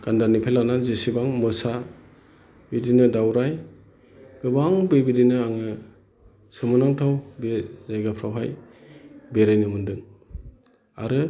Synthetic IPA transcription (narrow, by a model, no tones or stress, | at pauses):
ɡ̥andanipʰelananzesibaŋmɯsa | bidinɯdawɾaj | ɡ̥ɯbaŋbebidinɯaŋɯ | sɯmɯnaŋtʰawbezajɡapʰɾawɦaj | beɾajnɯmɯndɯŋ | a̰ɾɯ